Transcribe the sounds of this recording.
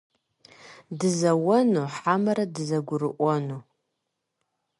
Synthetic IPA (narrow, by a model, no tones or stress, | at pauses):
dɨzɐwɐnuħamɐɾɐdɨzɐɡʷʊɾɨ̰ʔʷɔnu